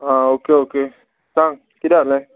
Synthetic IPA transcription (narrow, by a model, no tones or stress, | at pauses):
aokeoke | saŋ | kidaʔ̚lɛ